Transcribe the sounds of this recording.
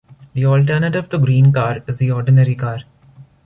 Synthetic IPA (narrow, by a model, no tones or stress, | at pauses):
d̪iɔːlʈəɾnəʈɪʋʈ̪uɡɾĩːnkaːɾɪzd̪iɔːɾɖɪnəɾikaːɾ